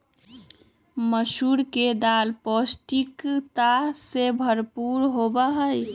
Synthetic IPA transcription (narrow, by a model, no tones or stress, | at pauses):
məʃuɾked̪alposʈikt̪asebʱəɾpuɾɦobaɦəj